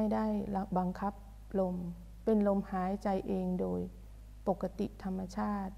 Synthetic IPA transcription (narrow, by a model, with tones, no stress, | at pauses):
a˥˩jdaː˥˩jlba˧ŋkʰa˦˥p̚ | lo˧m | pe˧nlo˧mhaː˩˦jt͡ɕa˧jʔeː˧ŋdoː˧j | po˨˩kːa˧˥t̪ḭ˨˩ʔt̪ʰa˧mːa˧t͡ɕʰaː˥˩t̪̚